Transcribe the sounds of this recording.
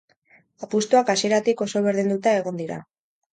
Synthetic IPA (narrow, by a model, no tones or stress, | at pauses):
apust̪uakasie̞ɾat̪iko̞so̞β̞e̞ɾðind̪ut̪aeɣ̞o̞nd̪iɾa̰